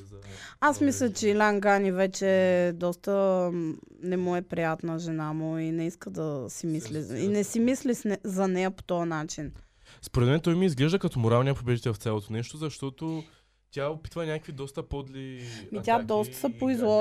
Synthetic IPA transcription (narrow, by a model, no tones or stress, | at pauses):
asmislʲət͡ʃɛilʲaŋɡanivɛt͡ʃɛd̪ɔst̪ə | nɛmɔɛpɾijat̪nəʒɛnamuʊinɛiskəd̪ɐsimisliinɛsimislisnɛzɐnɛjəpo̥t̪ɔjənat͡ʃin | spoɾɛt̪mɛnt̪ɔjmiizɡlɛʒd̪əkɐt̪ɔmoɾalˠniəpobɛit̪ɛlft̪sʲjalˠot̪onɛʃt̪ozɐʃt̪ɔt̪o | t̪ʲjaopi̥t̪vɐnʲakəkvid̪ɔst̪ɐpod̪limit̪ʲad̪ɔst̪ə̥sɐpoizvɔ